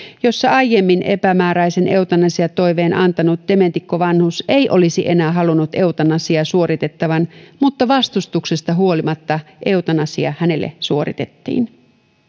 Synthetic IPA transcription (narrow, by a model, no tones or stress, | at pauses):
jo̞sːɑɑjjːemːinʔe̞̰pæmæːɾæjsene̞wt̪ɑnɑsiɑt̪ːo̞iʋe̞ːnʔɑ̰nt̪ɑnut̪̚d̪̥e̞ment̪ikːoʋɑnhusejʔo̞lisiʔe̞næːɦɑlunːut̪e̞wt̪ɑnɑsiɑsuo̞ɾit̪e̞t̪ːɑʋɑnmut̪ːɑʋɑst̪ust̪uksest̪ɑɦuo̞limɑt̪ːɑʔe̞ut̪ɑnɑsiɑhæne̞lːḛsuo̞ɾḭt̪et̪ːḭːn